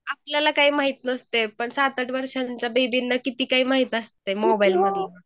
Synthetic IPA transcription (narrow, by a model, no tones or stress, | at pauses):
apljalakaɦiːmaɦit̪nəst̪epəɳsat̪əʈʋəɾʂaɲt͡ɕjabebinːakit̪iːkaɦiːmaɦiːt̪əst̪emobailməd̪ʱjena